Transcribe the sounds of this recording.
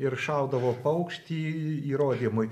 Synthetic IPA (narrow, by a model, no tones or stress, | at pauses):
ɪɾʃɑˑʊd̪ɐʋoːpɐʊkʃʲt̪ʲiːiːɾoːd̪ʲimʊj